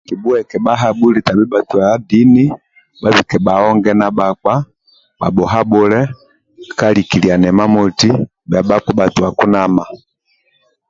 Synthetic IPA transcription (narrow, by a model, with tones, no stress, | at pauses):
ki˨bu˦ɛ˨kɛ˨ba˦ɦa˦˨bu˦li˨ta˨bi˦ba˨tu˨a˨˦di˦ni˦ | ba˦βi˨kɛ˨ba˨ɔ˦ŋɡɛ˦na˨ba˨k͡pa˦ | ba̰˨bɔ˨ɦa˦bɔ˦lɛ˦˨ | ka˦li˨ki˨li˨a˨nɛ˨ma˦mɔ˨ti˦ | bja˨ba˦k͡pa˦ba˨tu˨wa˨ku˦nama˨